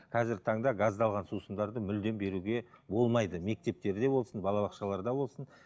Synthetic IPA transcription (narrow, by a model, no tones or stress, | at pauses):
qʰɑzɪɾt̪ʰɑɴd̪ɑɡɑzd̪ɑlˠʁɑnsusəmd̪ɑɾd̪əmʏld̪e̞mbe̞ɾuɡʲe̞bo̞lˠmɑjd̪əme̞k̚t̪e̞p̚t̪e̞ɾd̪e̞bo̞lˠsənbɑlˠɑβɑqʃɑlˠɑɾd̪ɑbo̞lˠsən